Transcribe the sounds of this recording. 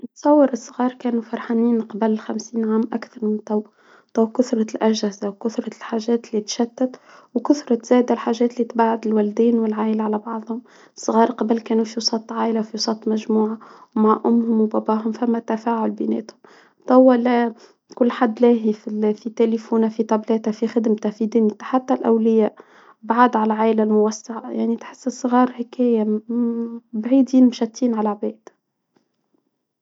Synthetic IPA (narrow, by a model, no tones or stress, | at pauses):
t̪sˤɑwːəɾɨsˤːɣɑːɾˤkæːnufɑɾˤħaniːnqɑbælxæmsiːnʕaːmʔa̰kθɑɾˤmɪnt̪ˤɑw | t̪ˤɑwkʊθɾˤɑlʔæʒhɪzawkʊθɾˤɑlħaːʒɛːt̪lit̪ʃæt̪ːæt̪wkʊθɾˤɑz̥æːd̪alħaːʒɛːt̪lit̪baʕʊd̪ɪlwæld̪iːnwɪlʕaːʔɪlʕalæbɑʕðˤhʊm | sˤːɣɑːɾˤqɑbəlkæːnufiwsˤɑt̪ˤːʕaːʔɪlawfiwsˤɑt̪ˤːmæʒmuːʕawmaʕʔʊmːhʊmwbɑbɑːɦʊmfæmːæt̪ːæfæːʕʊlbɪnɛ̰ːt̪hʊm | t̪ˤɑwːalæ | kʊlːħad̪ːlæːɦififit̪elifuːnafit̪ˤɑblɛːt̪æfixɪd̪mt̪æfid̪ɪnjt̪ḁħat̪ːalʔæwlɪjæːʔ | baʕad̪ʕalælʕaːʔlalmʊwasːaʕajaʕnit̪ħɪsːsˤːɣɑːɾˤhɪkæːja | bʕiːd̪iːnmʃæt̪ˤːiːnʕalaʕbɛːd̪̥